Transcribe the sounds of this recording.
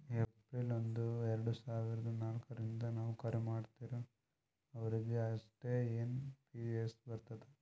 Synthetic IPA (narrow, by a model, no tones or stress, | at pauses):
epɾilond̪uɛɾɐɽusaːʋiɾɐd̪ɐnaːlkɐɾind̪ɐnaːʋukɐɾɛmaːɖt̪iːɾu | ɐʋɐɾid̪ɐɐʂʈe̞ːeːnpid͡ʒiesbɐɾt̪ɐd̪e